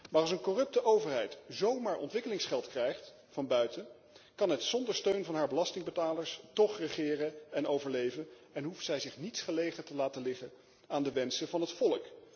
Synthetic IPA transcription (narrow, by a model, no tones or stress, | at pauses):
maːrɑlˠsənkɔrɵp̚təʔowvəɹɦɛjtzowmaːɹʔɔ̰ntʋɪkəlɪŋsχɛlˠtkrɛjχt | fɑnbœɥtən | kɑnɦətsɔndəɹstøɥnvɑnɦaːɹbəlɑstɪŋbətaːləɹstɔχrəχɪːrəɛnowvəɹlejvən | ɛnɦuftsɛjzɪχnitsχəlejχətəlaːtəlɪχən | aːndəʋɛnsəvɑnɦətfɔlək